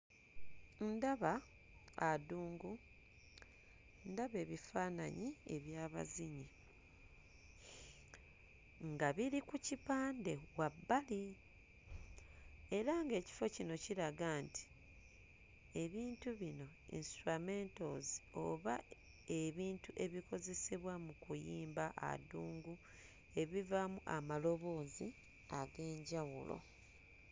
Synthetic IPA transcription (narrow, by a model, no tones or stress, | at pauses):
ndaβaː | duːŋɡu | ndaβe̞ːβifaːna̰ɲie̞βjaːβa̰ziɲi | ŋɡaβiɾikucipaːnde̞wabːali | e̞ɾaŋɡe̞ːci̥fo̞cino̞ciɾaɡaːnti̥ | e̞βiːntuβino̞ | ḭnstɾamentozio̞̰βa | e̞βiːntuʔe̞βiko̞ze̞seβwamukujiːmbaʔa̰duːŋɡu | e̞βivamuʔamalo̞βo̞ːzi | aɡe̞ːɲɟawṵlo̞̰